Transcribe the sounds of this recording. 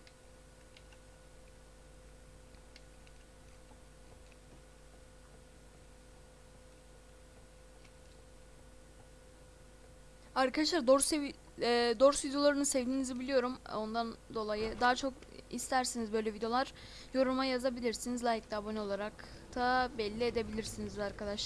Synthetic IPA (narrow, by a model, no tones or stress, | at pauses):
aɾkad̪aʃlˠaɾd̪oɾs | d̪oɾsvid̪jo̞lˠaɾɯnɯsɛvd̪inizibilʲijo̞ɾumo̞nd̪and̪o̞lˠajɯd̪aɦat͡ʃʰo̞k | ḭst̪ʰæɾsinizbø̞jlʲɛvid̪ejo̞lˠaɾ̥ | jo̞ɾumajazabilʲiɾsinizlˠaːjic̚d̪abono̞lˠaɾak | t̪ʰabɛlʲːied̪e̞bilʲiɾsinizaɾkʰad̪aʃlˠ